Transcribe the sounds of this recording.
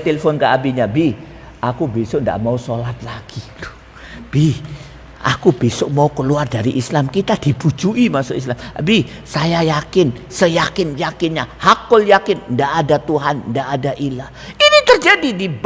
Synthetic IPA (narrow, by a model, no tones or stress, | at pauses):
t̪eləfɔnkaʔabiɲabih | akubisʊʔnda̰ʔmausolat̪̚laɡ̥ilo̥ | b̥ih | ʔa̰kubisʊʔmaukəluardaɾiʔislamkit̪adibud͡ʒuimasʊʔis̬lambih | sajajakɪnsəjakɪnjakɪnɲahakʊljakɪnndaʔːdat̪uɦanndaʔːdaʔilahinit̪ərd͡ʒadidib